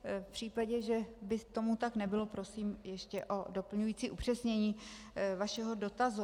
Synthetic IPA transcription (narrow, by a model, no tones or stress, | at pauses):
fpr̥iːpaɟɛʒɛbɪt̪o̞mut̪aknɛbɪlo̞pɾo̞siːmjɛʃcɛʔo̞do̞pl̩ɲujiːt͡siːʔupr̝̥ɛsɲɛɲiː | vaʃɛɦo̞do̞t̪azu